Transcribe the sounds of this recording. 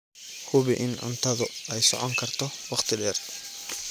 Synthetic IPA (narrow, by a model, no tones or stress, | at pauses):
hʰʊβɪʔɪnʕʊ̰nt̪ʰɐðʊɛjsɔ̰ʕɔŋkʰɐrt̪ʰɔwɑχt̪ʰɪɖɛːr